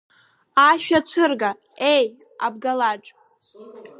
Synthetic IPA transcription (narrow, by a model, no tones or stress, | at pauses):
aʃᶣat͡ɕʷʰɨrɡa | e̞j | abɡalaʈ͡ʂʼ